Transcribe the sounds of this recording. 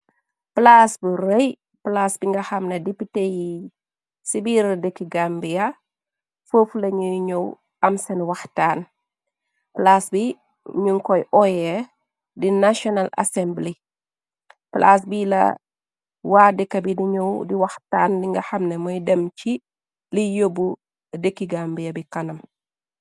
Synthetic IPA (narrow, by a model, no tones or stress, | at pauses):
plasburɛj | plaːsbiŋɡɐxɐmnɐdepiteji | sibiːɾɐdɛkːiɡambijɐ | fəflɐɲuɲɔw | ɐmsɛnwɐxtaːn | plaːsbi | ɲuŋkɔjʔɔjɛ | dinaʃɔnala̰sɛmbli | pla̰ːs̬bilɐ̰ | waːdɛkːɐbidiɲɔwdiwɐxtaːndiŋɡɐxɐmnɛmɔjdɛmci | lijobu | dəkːiɡambijɐbikɐnɐm